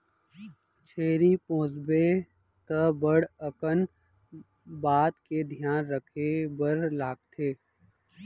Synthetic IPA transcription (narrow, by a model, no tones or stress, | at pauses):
t͡ʃʰeːɾipõːzbe | t̪əbəɽəkən | baːt̪ked̪ʱijaːnɾəkʰebəɾlaːk̚t̪ʰeː